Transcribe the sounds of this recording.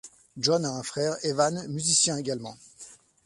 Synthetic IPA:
ʒɔnaɛ̃fχɛʁevanmyzisjɛ̃eɡalmɑ̰̃

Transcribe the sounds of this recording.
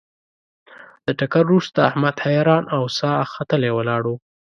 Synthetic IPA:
d̪̥əʈakaɾɾust̪aːhmad̪hajɑɾɑnʔawsɑxat̪əlewəlɑɽu

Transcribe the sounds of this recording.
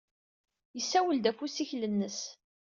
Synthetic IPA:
jəsːæwəld̪æfusiçlənːəs

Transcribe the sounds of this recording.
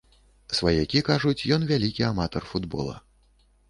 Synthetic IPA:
svajɛkʲikaʐut͡sʲjɔnvʲalʲikʲiamat̪ɔrfud̪bɔ̰lˠɐ̰

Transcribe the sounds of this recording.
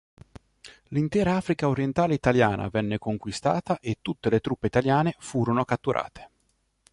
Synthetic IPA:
lint̪ɛːɾaaːfɾikaoɾjɛnt̪aːleit̪aljaːnʔa̰vɛnːekoŋkwist̪a̰ːt̪aʔet̪ːut̪ːelet̪ɾupːeit̪aljaːnefuːɾonokat̪ːuɾʔa̰ːt̪ʰe̥

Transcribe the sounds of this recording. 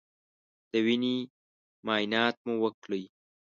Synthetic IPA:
d̪̥əwini | mɑːjnɑːt̪̚muwəkləj

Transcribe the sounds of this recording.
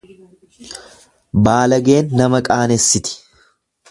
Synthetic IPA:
baːlɐɡe̞ːnːɐmɐkʼaːnɛsːɪt̪ɪ̥

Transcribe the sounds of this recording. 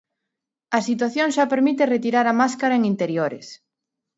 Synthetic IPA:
ɐsit̪waθjoŋʃapeɾmit̪eret̪iɾaɾɐmaskaɾɐeŋint̪eɾjoɾḛs

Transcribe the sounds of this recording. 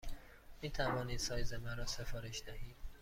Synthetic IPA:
miːt̪ʰævɒːniːd̪̥sɒːjzemæɾɒːse̞fɒːɾe̞ʃd̪æhiːd̪̥

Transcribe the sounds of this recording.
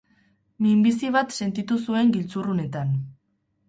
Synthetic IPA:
mimbisiβat̪se̞nt̪it̪usue̞ŋɡilt͡surune̞t̪an

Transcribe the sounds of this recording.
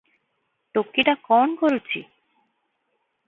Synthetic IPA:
ʈokːiʈakɔnkoɾut͡ɕʰḭ

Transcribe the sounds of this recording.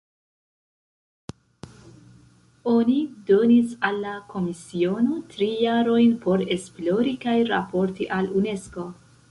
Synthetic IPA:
o̞nido̞nisalːakʰo̞misio̞no̞tɾijaɾo̞jnpo̞ɾe̞splo̞ɾikajɾa̰po̞ɾtiʔalune̞sko̞

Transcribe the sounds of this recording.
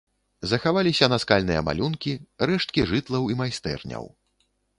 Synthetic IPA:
zɐxavalʲisʲɐnɐskalʲnɨjɐ̰ma̰lʲunkʲirɛʂt̪̚kʲiʐɨt̪lˠɐwimajst̪ɛ̰rnʲɐ̰w

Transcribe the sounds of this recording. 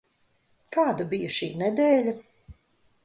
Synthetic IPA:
kaːd̪ɐbijɐʃḭːnɛd̪ɛːlʲɐ

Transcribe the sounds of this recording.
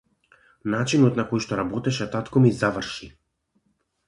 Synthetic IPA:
nat͡ʃinɔt̪nakɔjʃt̪ɔɾabɔt̪ɛʃɛt̪at̪kɔmizavrʃi

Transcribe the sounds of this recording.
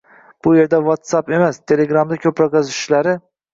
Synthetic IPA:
b̥ʊje̞ɾd̪avot̪sape̞mast̪ʰe̞le̞ɡɾamd̪akʲʰɵpɾɒkɑzɪ̥ʃlaɾɪ

